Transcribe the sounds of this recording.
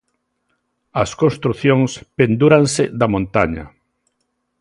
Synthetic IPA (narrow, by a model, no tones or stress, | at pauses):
ɐskõnst̪ɾuθjõŋspend̪uɾaŋseðɐmõnt̪aɲɐ̰